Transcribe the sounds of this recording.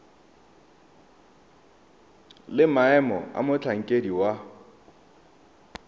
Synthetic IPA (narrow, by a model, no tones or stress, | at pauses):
lɪmaɛmɔ̰a̰mʊt͡ɬʰaŋ̩kʼediwa